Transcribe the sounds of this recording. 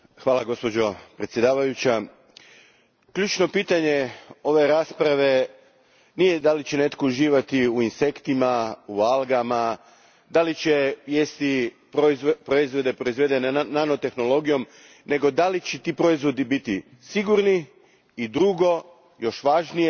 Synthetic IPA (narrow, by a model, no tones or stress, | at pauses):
xʋaːlaɡo̞spo̞d͡ʑo̞pɾet̪sje̞d̪aːʋajut͡ɕa | kʎuːt͡ʃno̞piːt̪aɲe̞o̞ʋe̞ɾaːspɾaʋe̞ | nijed̪alit͡ɕene̞t̪kouʒiːʋat̪iuinse̞kt̪imaualˠɡama | d̪alit͡ɕe̞ʋjest̪i | ppɾoizʋo̞d̪e̞pɾo̞izʋed̪e̞nenano̞t̪e̞xno̞lo̞ɡijo̞m | ne̞ɡo̞d̪alit͡ɕet̪iːpɾo̞izʋo̞d̪ibit̪i | siɡuɾniː | d̪ɾuɡo̞ | jo̞ʃʋaːʒnije